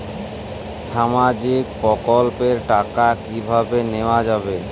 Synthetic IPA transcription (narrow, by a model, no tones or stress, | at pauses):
ʃamad͡ʑikpɔkolpeɾʈakakibʱabeneoad͡ʑabe